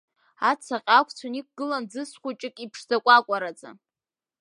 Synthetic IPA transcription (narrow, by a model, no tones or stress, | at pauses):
at͡sʰaqʼakʷʰʼt͡sʷʰonik̚ʷʰʼɡɨland͡zɨsχʷut͡ʃʼɪkʼipʰʂzakʷʼakʷʼaɾat͡sʼa̰